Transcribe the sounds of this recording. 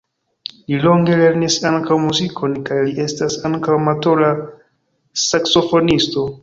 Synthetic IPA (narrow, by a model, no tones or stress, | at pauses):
lilo̞ŋɡe̞le̞ɾnisaŋkawmuzikʰo̞nkajliʔe̞stasaŋkawmato̞la | sakso̞fo̞nisto̞